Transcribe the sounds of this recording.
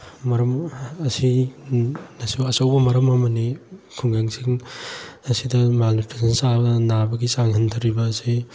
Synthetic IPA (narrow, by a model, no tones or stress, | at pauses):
mɐɾɐmɐsi | nɐsuɐsɐwbɐmɐɾɐmɐmɐnikʰuŋɡaŋsiŋ | ɐsidɐmalnutʰesʰɐnsabɐnabɐɡisaŋhʰɐntʰɐɾibɐːsi